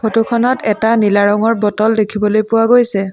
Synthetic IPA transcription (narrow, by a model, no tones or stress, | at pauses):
kʰotukʰɔnɔtɛtanilaɹɔŋɔɹbɔtɔldekʰibɔlojpʊwaɡojsɛ